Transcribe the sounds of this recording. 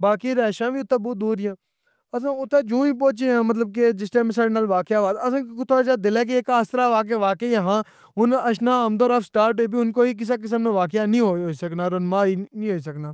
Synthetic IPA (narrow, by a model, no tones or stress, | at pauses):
baːkiːɾɛːʃãːʋiːʊt̪ːẽːbuːd̪uːɾɪjãː | əs̬ãːʊt̪ːẽːd͡ʒõːiːpoːt͡ʃẽːãːmət̪ləb̚k̬ed͡ʒɪsʈ̪ẽːmẽːsaːɽeːnaːlʋaːkɪjaːʋaːd̪əsãːt̪ʰoːd͡ʒaːd̪ɪlɛːk̬eeːkaːst̪ɾaːʋaːk̬eːʋaːkeaɦãː | ʊnəʃnãːəmd̪oːɾaːfsʈaːɾʈoːbiːʊnkoːiːk̬ɪs̬aːk̬ɪs̬əmnẽːʋaːk̬ɪjaːnĩːɦoːɦoːisəknaːɾənmãːiːnĩːɦoːiːs̬əknaː